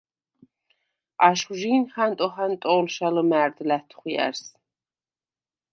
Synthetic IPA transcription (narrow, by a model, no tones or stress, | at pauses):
aʃχʒiːnχant̪ʼɔχant̪ʼɔːlʃaləmæːɾd̪læt̪ʰχwiæ̰ɾs